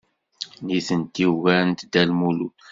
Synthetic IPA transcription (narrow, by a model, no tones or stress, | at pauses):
niθənt̪ːiwɣænt̪d̪ælmulut